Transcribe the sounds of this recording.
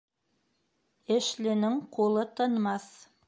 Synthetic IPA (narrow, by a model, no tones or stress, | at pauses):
ɘ̆ʃlɘ̆nɘŋqʰulˠɤt̪ʰɤ̆nmɑs